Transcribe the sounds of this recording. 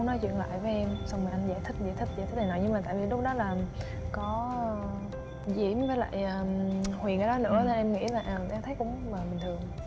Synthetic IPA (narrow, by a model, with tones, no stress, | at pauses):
nɔ˨˦jt͡ɕwḭ˧˨ənla̰ː˧˨jvəː˨˦jʔɛ˧msɔ˧wŋ͡mi˨˩ʔa˧ŋ̟zaː˧˩jt̪ʰï˦˥k̚zaː˧˩jt̪ʰï˦˥k̚zaː˧˩t̪ʰt̚haː˨˩nɔ˨˩jɲɨ˧ma˨˩t̪a̰ː˧˨vi˨˩lʊ˦˥k͡p̚ɗɔ˨˦laː˨˩ | kɔ˨˦ | zḭ˧˩˥əmvəː˨˦jla̰ː˧˨jʔəː˨˩hwi˨˩ŋkaː˧˦jɗɔ˨˦nɨ̰˧˥əne˧nʔɛ˧mŋḭ˧˥laː˨˩ʔəː˨˩ʔaː˧t̪ʰə˨˦jkʊ̰˧˥ŋ͡mmaː˨˩ɓï̟˨˩t̪ʰɨ˨˩ə˩ŋ